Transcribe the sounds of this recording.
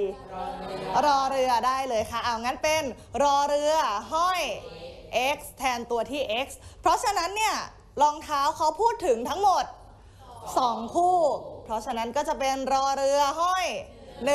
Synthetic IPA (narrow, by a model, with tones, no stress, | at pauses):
ɾɔː˧ɾɯ˧ɐdaː˥˩jlɤː˧jkʰa˦˥˩ʔaː˧˩ŋa˦˥npe˧n | ɾɔː˧ɾɯ˧ɐɦɔ˥˩jʔe˦˥k̚st̪ʰɛː˧nt̪u˧ɐt̪ʰiː˥˩ʔe˦˥k̚spʰɾɔ˦˥t͡ɕʰa˧na˦˥nːi˥˩ɐ | lɔː˧ŋt̪ʰaː˦˥wkʰa˦˥wpʰuː˥˩t̪ʰːɯ˩˦ŋt̪ʰa˦˥ŋmo˨˩t̪̚ | sɔː˩˦ŋkʰuː˥˩pʰɾɔ˦˥t͡ɕʰa˧na˦˥nkɔː˥˩t͡ɕa˨˩ʔpe˧nɾɔː˧ɾɯ˧ɐɦɔ˥˩j | nɯ˨˩